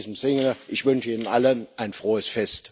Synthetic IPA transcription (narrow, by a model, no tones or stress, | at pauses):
zəm̩zɪŋʔɪçv̥ʏnʃəiːnənʔalənʔaɪnfʁ̥oːəsfɛst